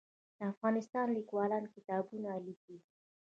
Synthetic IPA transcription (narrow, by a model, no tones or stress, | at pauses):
d̪̥əafɣɑnɪst̪ɑnlikwɑlɑnkɪt̪ɑbunaaliki